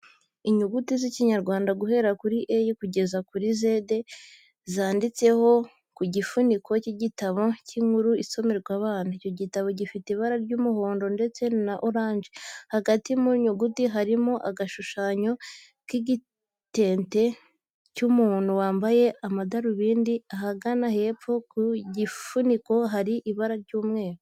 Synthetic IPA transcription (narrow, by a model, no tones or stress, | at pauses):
iɲuɡutiziciɲaɾɡwaːndaɡuɦe̞ɾakuɾiʔejikuɟe̞zakuɾize̞de̞ | zaːndit͡se̞ho̞ | kuɟifunikʰo̞ciɟitaβo̞ciŋuɾuiso̞meɾɡwaβaːnaico̞ɟitaβo̞ɟifiteβaɾaɾɟuːmuho̞ːndo̞nde̞t͡se̞naʔoɾaːɲʒehaɡatimuɲuɡutiɦaɾimo̞ʔaɡaʃuʃaːɲo̞ | kiɟi | te̞ːnte̞ | cumuːn̥huwaːmbaje̞ʔamadaɾuβiːndiaɦaɡanahe̞pp͡fokuɟifuniko̞ɦaɾiʔiβaɾaɾɟuːmŋe̞ːɾo